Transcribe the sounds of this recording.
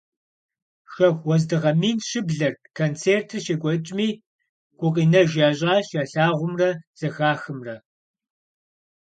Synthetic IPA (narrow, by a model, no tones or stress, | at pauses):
ʃɐxʷwɔzdɨʁɐmiːnɕɪbɮɐrkʰɐnt͡sʰeːrtʰɨrʃeɡʷɔt͡ʃʼmiː | ɡ̥ʷʊqʼiːnɐʒaːɕʼaːɕɐɬaːʁʷʊmrɐz̥ɐxaːxɨmrɐ